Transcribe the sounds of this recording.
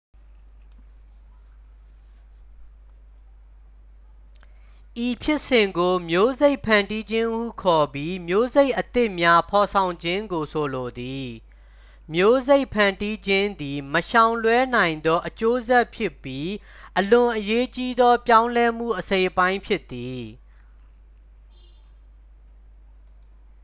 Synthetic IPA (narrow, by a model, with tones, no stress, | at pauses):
ʔi˨pʰjɪ˦ʔsɪ̃˨ŋɡo˨mjo˦ze˦ɪʔpʰã˨ndi˦d͡ʑɪ̃˦ʔṵ˦˨kʰɔ˨bji˦mjo˦ze˦ɪʔət̪ɪ˦ʔmja˦pʰɔ˨sʰã˨ʊ̃ɲd͡ʑɪ̃˦ŋɡo˨sʰo˨lo˨d̪i˨ | mjo˦ze˦ɪʔpʰã˨ndi˦d͡ʑɪ̃˦nd̪i˨məʃã˨ʊ̃lwɛ˦n̥ã˨ɪ̃nd̪ɔ˦ʔət͡ɕo˦zɛ˦ʔpʰjɪ˦pːji˦ | ʔəlʊ̃˨ʔəje˦t͡ɕi˦d̪ɔ˦pjã˦ʊ̃lɛ˦m̥ṵ˦˨ʔəsẽ˨ɪʔpã˦ɪ̃mpʰjɪ˦ʔt̪ːi˨